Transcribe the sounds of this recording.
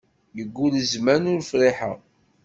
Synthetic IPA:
jəɡːuləzmænʊɾfɾiħə̰ʁ

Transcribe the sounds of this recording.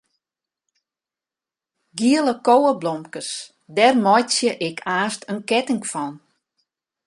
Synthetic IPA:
ɡiəlˠəkowəblɔmkəs | dɛrmɔjtsjəʔɪkʰaːstʰənkɛtɪŋfɔn

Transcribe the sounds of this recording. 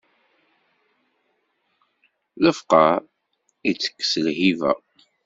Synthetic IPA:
ləfqɑ | it͡sːə̥kːə̥səlhivæ̰

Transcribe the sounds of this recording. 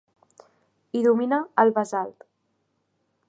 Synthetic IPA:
iðuminəːlˠβəzalt̪

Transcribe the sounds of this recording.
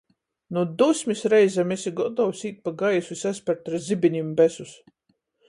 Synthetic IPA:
nud̪usʲmʲisɾɛjzʲɛmesiɡɔd̪ɔwsiːt̪̚paɡajusvisæspɛɾt̪ɾzibiɲʲimbɛsus

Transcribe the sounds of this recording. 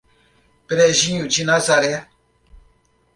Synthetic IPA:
pɛɾɛʒĩɲũd͡ʒinãzaɾɛa

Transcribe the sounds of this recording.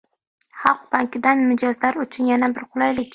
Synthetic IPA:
χɑlˠq̚baŋkʲɪd̪anmɪd͡ʒɒzlaɾʊt͡ʃʰʊnjanabɪɾqʰʊlˠajlɪkʲ

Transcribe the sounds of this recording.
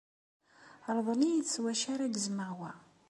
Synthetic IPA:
ɾˤðˤənijət͡sːwæʃaɾæɡəzməʁwæ

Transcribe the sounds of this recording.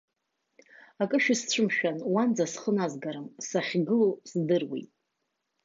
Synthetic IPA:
akʼɨʃᶣɪst͡ɕʷʰɨmʃᶣanwand͡zasχənazɡaɾɨmsaχʲɡɨlosdɨrwḭjtʼ

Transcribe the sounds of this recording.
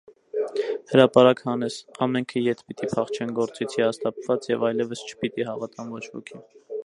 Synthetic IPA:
həɾɑpɑɾɑkhɑnɛsɑmɛŋkʰəjɛt̪ʰpit̪ipʰɑχt͡ʃʰɛnɡɔɾt͡sit͡sʰihɑst̪ɑpvɑt͡sjɛvɑjlɛvəst͡ʃʰə̥pit̪iɦɑvɑt̪ɑnvɔt͡ʃʰhɔ̰kʰi

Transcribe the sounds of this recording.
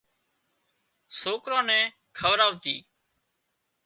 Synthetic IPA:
soːkɾãːnɛ̃ː | kʰəʋɾaːʋt̪iː

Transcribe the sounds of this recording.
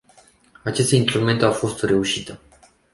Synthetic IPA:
at͡ʃe̞st̪inst̪ɾume̞nt̪eawfo̞st̪re̞uʃit̪ə

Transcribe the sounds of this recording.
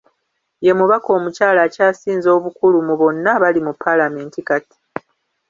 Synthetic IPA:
je̞muβako̞ːmucaːlaːcaːsiːnzo̞ːβukulumuβo̞nːaβalimupːalame̞ːntikati̥

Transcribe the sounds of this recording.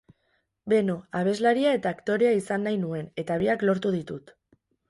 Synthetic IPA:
be̞no̞aβ̞e̞zlaɾiae̞t̪aːkt̪o̞ɾe̞aisanːajnue̞ne̞t̪aβ̞iaklo̞ɾt̪uð̞it̪ut̪

